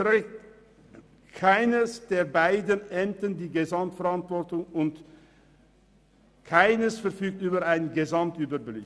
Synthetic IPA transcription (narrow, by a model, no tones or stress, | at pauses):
ʁɛkt | kʰaɪnəsd̥eːɐbaɪdənʔɛmtəndiːɡezamtfɛʁantv̥ɔtʊŋʊnt | kʰaɪnəsfɛɐfyːk̚tyːbəaɪnənɡezamtʔyːbɐblɪ̰k